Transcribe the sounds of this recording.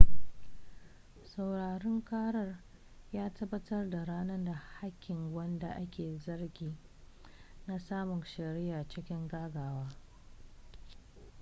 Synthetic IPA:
sa˨wɽaː˨ɾɪ˦ŋkaː˦ɽɐ˦r | jaː˦tɐ˦bːɐ˦tɐ˦rda˨ɽaː˦nɐ˦da˨ha˦kʲːɪ˨ŋwɐ˦nda̰˨ʔa˦kʲeː˨zɐ˦rɡʲiː˨ | na˦saː˦mʊ˨nʃɐ˨ɾɪ˦jaː˨t͡ʃɪ˦kʲɪ˦ŋɡaː˦ɡaː˨waː˦

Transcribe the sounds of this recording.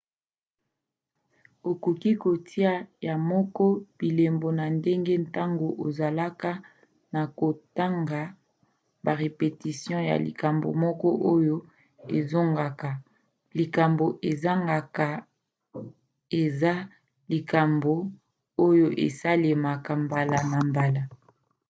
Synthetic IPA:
o˨ku˨ki˦ko˨tʰi˦a˦˨ja˨mɔ˦kɔ˦b̥i˨le˨mbo˨na˨nde˦ŋɡe˦nta˦ŋɡo˨ʔo˨za˨la˦ka˦ | na˨ko˨ta˦ŋɡa˨ | ba˨ʁe˨pe˨ti˨sjɔ̃˦ja̰˨lḭ˨ka˨mbo̰˨mɔ˦kɔ˦ʔo˦jo˦ | ḛ˨zo˦ŋɡa˨ka˨ | li˨ka˨mbo˨ʔe˨za˦ŋɡa˨ka˨ | e˨za˦ | li˨ka˨mbo˨ | o˦jo˦ʔḛ˨sa˦le˨ma˨ka˨mba˨la˨na˨mba˨la˨

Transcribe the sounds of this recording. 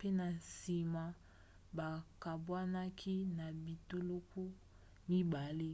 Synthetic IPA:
pe˦na˨n˨si˨ma˨ | ba˨ka˨bwa˦na˦kʰi˦na˨bi˨to˦lo˦ku˦ | mi˦ba˨le˦

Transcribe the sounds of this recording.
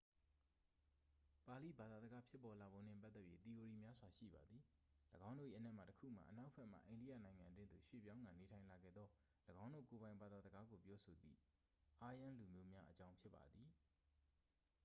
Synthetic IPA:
pa˨lḭ˦˨ba˨d̪a˨zə˨ɡa˦pʰjɪ˦pːɔ˨la˨bõ˨n̥ɪ̰̃˦˨p̬a˦t̪ːɛ˦pji˦t̪i˨jo˨ɹi˨mja˦zwa˨ʃḭ˦˨ba˨d̪ði˨ləɡã˦ʊ̃no̰˦˨ʔḭ˨ʔənɛ˦ʔma̰˦˨təkʰṵ˦˨ma̰˨ʔəna˦ʊʔəpʰɛ˦ʔm̥a̰˦˨ʔẽ˨ndḭ˦˨ja̰˦˨nã˨ɪ̃ŋã˨ndwɪ̃˦nd̪o˨ʃwḛ˦˨pjã˦ʊ̃ŋɡã˨ne˨tʰã˨ɪ̃la˨ɡɛ̰˦˨d̪ðɔ˦ | ləɡã˦ʊ̃ndo̰˦˨ko˨bã˨ɪ̃mba˨d̪a˨zə˨ɡa˦ɡo˨pjɔ˦so˨d̪ḭ˦˨ | ʔa˦jã˦lu˨mjo˦mja˦ʔət͡ɕã˦ʊ̃pʰjɪ˦pːa̰˨d̪ði˨

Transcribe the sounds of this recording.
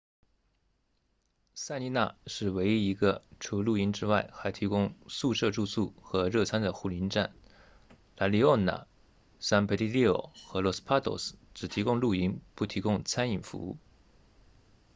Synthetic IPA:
sa˥˧ni˧˥na̰˥˩ʂɻ̩˥˩we˧˥ɪi˥i˧˥ɡə˧ʈ͡ʂʰu˧˥lu˥˩i˧˥ŋʈ͡ʂɻ̩˥wa˥˩ɪxa˧˥ɪt̪ʰi˧˥kʊ˥ŋsu˥˧ʂɤ˥˧ʈ͡ʂu˥˧su˥˩xɤ˧˥ɻɤ˥˩t͡sʰa˥nd̪ə˨xu˥˩li˧˥nʈ͡ʂa̰˥˩n | la˧˥li˧˥ɔ˥˩na̰˨˩ | sa˥npʰe˧˥t̪i˥˧li˥˩o̰˨˩xɤ˧˥lɔ˧˥s̩˥pʰa˥t̪ʰo̰˥˨˩sʈ͡ʂɻ̩˨˩t̪ʰi˧˥kʊ˥ŋlu˥˩i˥ŋpu˥˩t̪ʰi˧˥kʊ˥ŋt͡sʰa˥ni˨˩ŋfṵ˧˥u˥˩

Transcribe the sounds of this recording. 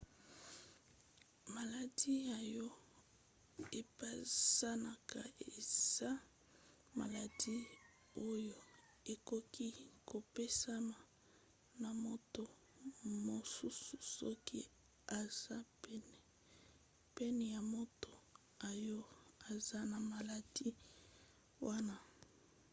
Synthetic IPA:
ma˨la˨di˦ja˨jɔ˦ | e˨pa˦sa˦na˨ka˨ee˨zsa˦ | ma̰˨la˨di˦ | o˦jo˨ | e˨ko˦ki˦ko˨pe˦sa˦ma˨ | na˨mo˦to˨ | mo˨su˦su˨sɔ̰˦ki˦ | a˨z̥a˦pɛ˦n˨ | pɛ˦nɛ˨ja˨mo˦to˨ | a˨jo˦a˨za˦na˨ma˨la˨di˦ | wa˦na˦

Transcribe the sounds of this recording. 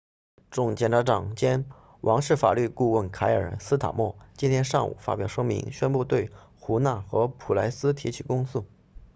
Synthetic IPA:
ʈ͡ʂʊ˥˩ŋt͡ɕjɛ˥˩nʈ͡ʂʰa˧˥ʈ͡ʂɑ˨˩ŋt͡ɕjɛ˥n | wʔɑ˧˥ŋʂɻ̩˥˩fa̰˨˩ly˥˧ku˥˧wə˥˩nkʰa˧˥ɪə̰˞˨˩ə˧˥sɹ̩˥t̪ʰa̰˨˩mwɔ˥˩t͡ɕi˥nt̪ʰjɛ˥nʂɑ˥˩ŋṵ˨˩fa̰˥pjɑ˨˩ʊʂɤ˥ŋmḭ˧˥ŋɕɥɛ˥npu˥˧t̪we˥˩ɪ | xu˧˥na˥˩xɤ˧˥pʰu˨˩la˧˥ɪsɹ̩˥t̪ʰi˧˥t͡ɕʰi˨˩kʊ˥ŋs̩˥˩

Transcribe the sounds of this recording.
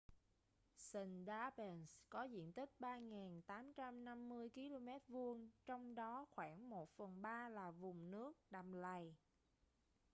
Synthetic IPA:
sə˧˩nɗaː˧ɓɛ˨˩nskɔ˨˦zḭ˧˨ənt̪ï˦˥k̟̚ɓaː˧ŋɛː˨˩nt̪aː˨˦mt͡ɕa˧mna˧mːɨ˧əjki˧lo˧mɛ˦˥t̚vu˧əŋt͡ɕɔ˧wŋ͡mɗɔ˨˦xwaː˧˩nmo˨˩t̚fə˨˩nɓaː˧laː˨˩vʊ˨˩ŋ͡mnɨ˦˥ək̚ɗa˨˩mla˨˩j

